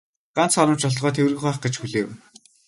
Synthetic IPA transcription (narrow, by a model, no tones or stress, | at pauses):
ɢ̥an̥t͡sχɔɾɞ̆mt͡ɕɔɮʁɔːt̪ʰewrɣɘ̆xuːχɡĕt͡ɕxuɮeːw